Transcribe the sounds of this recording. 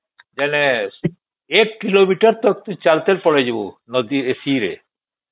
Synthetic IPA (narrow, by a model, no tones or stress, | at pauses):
d͡ʒɛne | ekːilomiʈaɾt̪ɔk̚t̪ut͡ɕalt̪elpɔɽed͡ʑibunɔd̪iesiɾḛ